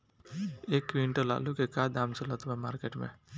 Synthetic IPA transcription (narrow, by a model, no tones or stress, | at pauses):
ekʋiɳʈola̰lukekad̪amt͡ʃɔlɔt̪umemaɾkeʈmḛ̃